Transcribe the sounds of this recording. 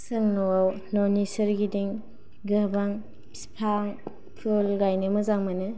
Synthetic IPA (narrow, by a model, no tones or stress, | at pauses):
sɯŋnɔwaw | nɔnisɐɾɡidiŋ | ɡɯbaŋ | spʰaŋ | pʰɔlɡajnɯmɯzaŋmanɯ